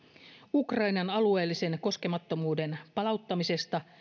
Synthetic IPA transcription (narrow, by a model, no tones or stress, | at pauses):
ukrɑjnɑnɑlue̞ːlːise̞nko̞ske̞mɑt̪ːo̞muːde̞npɑlɑut̪ːɑmise̞st̪ɑ